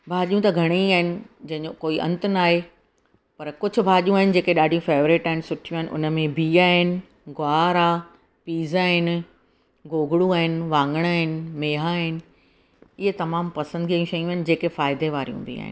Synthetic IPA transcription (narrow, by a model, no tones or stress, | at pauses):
bʱaːʄijũt̪ɐɡʱɐɽ̃iaːɦɪnɪ̆d͡ʑɐ̃ɦɪ̃ɲd͡ʑokoːiʔɐ̰̃nt̪naːɦe | pɐɾkʊd͡ʑʱʊ̆bʱaːʄijũaːɦɪnɪ̆d͡ʑeːkeɗaːɖʱijũfeːʋɾɪʈaːɦɪnɪ̆sʊʈʰijũaːɦɪnɪ̆ʔʊ̰nəmẽbʱiaːɦɪnɪ̆ | ɡʊaːɾa | piːzaːɦɪnɪ̆ | ɡoːɡɽũaːɦɪnɪ̆ʋãːŋɡəɽ̃aːɦɪnɪ̆meːɦaɦɪnɪ̆ | ɪɦet̪ɐmaːmpɐsə̃nd̪iɐjũʃɐjũaɦɪnɪd͡ʑeːkefaːɪd̪eʋaːɾijṵ̃bʱḭa̰ːɦɪ̰nɪ